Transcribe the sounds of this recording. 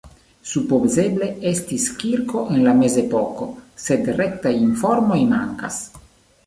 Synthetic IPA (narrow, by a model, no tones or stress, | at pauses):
supozeble̞estiskiɾko̞ʔenlame̞zepoko̞sed̪rek̚t̪ajiɱfoɾmo̞jmaŋka̰s